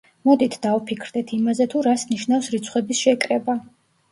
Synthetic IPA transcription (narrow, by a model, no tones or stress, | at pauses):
mɔd̪it̪ʰd̪aupʰikʰɾd̪ɛt̪ʰimazɛt̪ʰuɾasniʃnafsɾit̪sʰχwɛbisʃɛkʼɾɛba